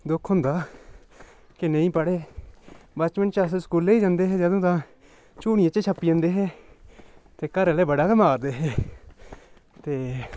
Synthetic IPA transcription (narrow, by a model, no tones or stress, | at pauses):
d̪ʊkʰɦʊnd̪aː | kɪnẽĩːpəɽeː | bət͡ʃmənt͡ʃəs̬skuːleːiːd͡ʒãːnd̪eːɦɛːd͡ʒaːd̪õːt̪ãː | t͡ʃuːɽɪjãt͡ʃet͡ʃʰəpːiːə̃ːnd̪eːɦɛː | t̪eːkəɾeleːbəɽaːkemaːɾd̪eːɦeː | t̪eː